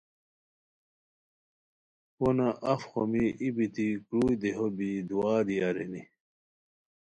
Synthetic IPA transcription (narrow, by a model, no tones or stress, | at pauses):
ponaʔɐfxomiibit̪ikɾuːjd̪eɦobid̪uaːd̪iɐɾeni